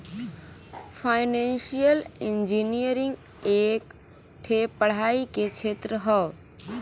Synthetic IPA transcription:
fʰaɪnẽnʃijəlind͡ʒinijəɾĩŋɡ | ek | ʈʰepəɽ̤aiket͡ʃʰet̪ɾəɦəʋ

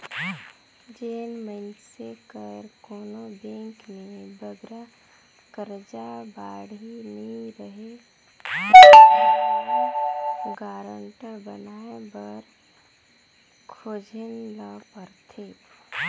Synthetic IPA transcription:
d͡ʒeːnməɪnsekəɾkoːnobẽːŋknebəɡɾa | kəɾd͡ʒabaːɽiniɾəɦe | ɡaːɾəɳʈəɾbənaːebəɾ | kʰoːd͡ʒʱənlapəɾt̪ʰeː

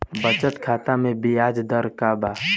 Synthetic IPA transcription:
bət͡ʃəʈkʰaːt̪amẽbijaːd͡ʒd̪əɾkaːbaː

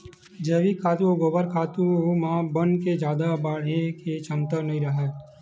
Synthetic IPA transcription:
d͡ʒeːʋikʰaːt̪uoɡoːbəɾkʰaːt̪umãbənked͡ʒjaːd̪abaɽeket͡ʃʰəmt̪ənəĩɾəɦɛ

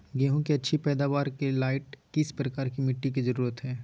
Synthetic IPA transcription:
ɡɛːɦõkiɐtːʃʰipɛːd̪aːʋaːɾkelaːɪʈkɪspɾɐkaːɾkimɪʈːik̬izɐɾuːɾət̪ɦɛː

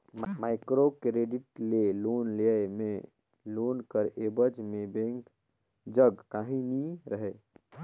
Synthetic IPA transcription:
maɪkɾokɾeɖiʈlelonleme | lonkəɾebəd͡ʒmẽbẽŋk | d͡ʒəɡkaɦĩniɾəɦe

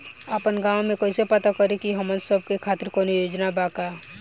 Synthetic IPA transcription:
əpənɡaːõmẽkoːisepət̪akəɾekiɦəmənsəb̚kekʰaːt̪ɪɾkonijoːd͡ʒnabaːka

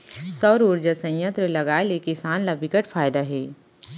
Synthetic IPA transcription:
sɔːɾuɾd͡ʒəsɐ̃j̃jə̃nt̪ɾəlɐɡaːelekɪsaːnlɐbʱɪkəʈfʰaːjd̪aɦɛː

